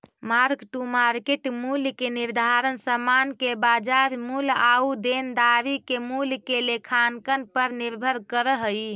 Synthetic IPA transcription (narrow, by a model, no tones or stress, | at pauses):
maɾkʈumaɾkeʈmulkeniɾd̪ʱaɾənsəmankebad͡ʒaɾmulaud̪end̪aɾikemulkelekʰankənpəɾniɾbʱəɾkəɾəɦəj